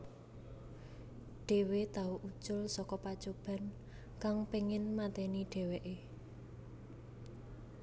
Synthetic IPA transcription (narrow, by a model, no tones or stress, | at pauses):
ɖ̥e̤wet̪auʔut͡ʃʊlsɔkɔpat͡ʃob̥a̤n | kaŋpeŋɪnmat̪ɛniɖ̥e̤weʔe